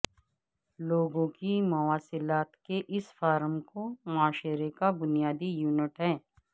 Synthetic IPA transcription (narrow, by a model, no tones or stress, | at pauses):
loːɡõkimʊaːsɪlaːt̪keʔɪsfaːɾəmkomʊaːʃɾekabʊnijaːd̪ijuːnɪʈɦɛ̃ː